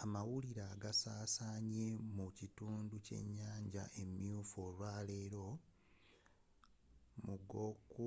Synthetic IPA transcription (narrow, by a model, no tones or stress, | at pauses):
amawuliɾaɡasaːsaːɲe̞mucituːnduce̞̰ɲːaːɲɟa̰ʔe̞mjuːfolwaːle̞ːɾo̞ | muɡo̞ku